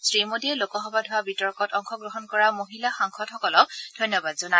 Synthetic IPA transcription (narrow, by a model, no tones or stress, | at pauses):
sɹimodiɛlokɔxɔbadʱʊwabitɔɹkɔtɔŋxʰɔɡɹɔɦɔnkɔɹamoɦilaxaŋxɔdhɔkɔlɔk̚d̥ʱojnːɔbadzɔna